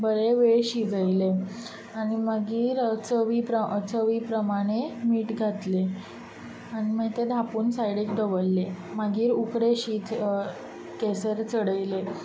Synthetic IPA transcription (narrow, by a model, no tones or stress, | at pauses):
bəɾeʋeɭɕid͡zəjle | aɽ̃iməɡiːɾt͡səʋiːpɾət͡səʋiːpɾəmaɽ̃emiːʈɡʱat̪le | aɽ̃iməit̪ed̪ʱapuːnsajɽekd̪əʋəlːeməɡiːɾukɾeɕiːt̪ | kesəɾt͡səɽəjle